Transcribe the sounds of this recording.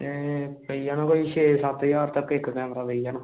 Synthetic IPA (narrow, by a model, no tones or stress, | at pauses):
epəijaːnãːkoiʃeːsat̪jaːɾt̪əkːɪkːkɛːmɾaːbəijaːnaː